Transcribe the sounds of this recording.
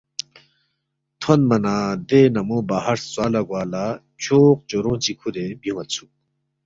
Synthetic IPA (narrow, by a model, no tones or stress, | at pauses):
t̪ʰonmɐnaːd̪eːnɐmõːbaːɦɐɾswaːlɐɡwaːla | t͡ɕʰoːq̚t͡ɕoɾõːt͡ɕikʰud̪ebjumɐt̪t͡sʰu